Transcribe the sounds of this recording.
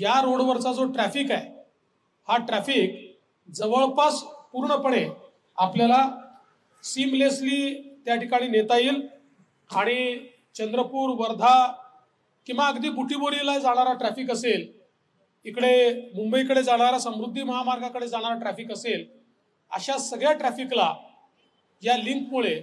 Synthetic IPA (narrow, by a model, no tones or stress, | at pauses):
ɦjaɾoɽʋəɾsad͡zoʈɾæfiːkaj | haʈɾæfik̚ | d͡zəʋəɭpaspuɾɳəpəɳ̃e | apljala | simlesliːt̪jaʈikaɽ̃iːnet̪aiːl | aɽ̃i | t͡ɕənd̪ɾəpuːɾʋəɾd̪ʱa | kĩw̃ʋaəɡd̪iːbuʈiboɾilajd͡zaɽ̃aɾaʈɾæfiːkəsel | ikɽemumbəjkəɽed͡zaɽ̃aɾasəmɾud̪ʱːiːməɦamaɾɡʱãkəɽed͡zaɽ̃aɾaʈɾæfiːkəsel | ə̰ɕasəɡɭjaʈɾæfikla | jaliŋkmuɭe